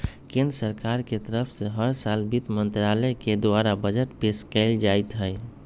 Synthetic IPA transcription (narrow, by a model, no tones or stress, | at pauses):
kẽnd̪ɾəsəɾkaɾket̪əɾəpʰseɦəɾsalbit̪mənt̪ɾaləked̪oaɾabəd͡ʒəʈpeskɛɪld͡ʒajt̪ɦəj